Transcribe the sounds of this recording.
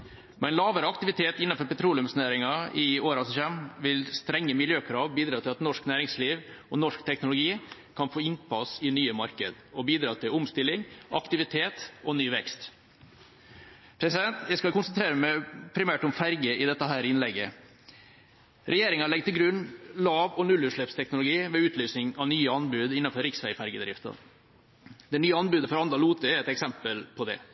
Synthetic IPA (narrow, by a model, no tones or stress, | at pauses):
mɛɪnlɑːʋəɾəɑkt̪ɪʋɪt̪ʰeːt̪ɪnːɑfɔɾpɛt̪ʰɾuːlɪʊmsnæːɾɪŋɑɪoːɾɑsɔçɛmʋɪlst̪ɾɛŋːəmɪljøːkʰɾɑːʋbiːd̪ɾɑːt̪ʰɪlɑt̪nɔʂknæːɾɪŋsliːʋɔnɔʂkt̪ʰɛknʊlʊɡiː | kʰɑnfoːɪnpʰɑsɪnyːəmɑɾkə̰d̪ | ɔbiːd̪ɾɑːt̪ʰɪlʊmst̪ɪlːɪŋʔɑ̰kt̪ɪʋɪt̪ʰeːt̪ɔnyːʋɛkst̪ | pʰɾɛsɪd̪ɛnt̪jæɪskɑlkʰʊnsənt̪ɾeːɾəmæpʰɾɪmæːʈʊmfæɾɡəʔɪd̪ɛt̪ːəɦæːɾɪnlɛɡə | ɾʔɛjeːɾɪŋɑɭɛɡ̚t̪ʰɪlɡɾʉnːlɑːʋɔnʉlːʉʂɭɛpst̪ʰɛknʊlʊɡiːʋɛʉːt̪ʰlyːsnɪŋɑʋnyːəɑnbʉːd̪ɪnːɑnfɔɾɪksʋæɪfæɾɡəd̪ɾɪft̪ə̰ | d̪ɛnyːəɑnbʉːd̪əfɔɾɑnd̪ɑluːt̪əɾɛt̪ɛksɛmpəlpʰɔd̪ɛ̰